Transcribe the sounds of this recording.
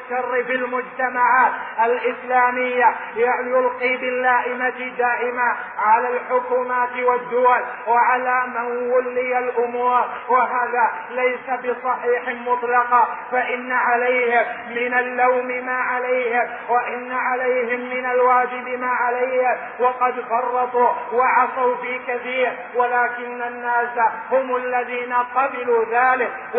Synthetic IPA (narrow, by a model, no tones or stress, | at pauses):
ʃɑrːɪbɪlmʊd͡ʒt̪amaʕaːt̪ʔalʔɪslaːmɪjːajajʊlqiːbɪlːaːʔɪmat̪d̪aːʔɪma | ʕalaːlħʊkuːmaːt̪wad̪ːʊwal | waʕalaːmanwʊlːɪjalʔʊmuːɾwaɦaːðaː | lajsabɨsˤɑħiːħmʊt̪ˤlɑqɑfaʔɪnːaʕalajhɪmːɪnalːawmɪmaːʕalajhɪm | waʔɪnːaʕalajhɪmːɪnalwaːd͡ʒɪbɪmaːʕalajhɪ | wɑqɑd̪fɑrˤːɑt̪ˤuːwaʕɑsawfiːkaθiːɾ | walaːkɪnːanːaːsahʊmalːaðiːnaqɑbɪluːðaːlɪk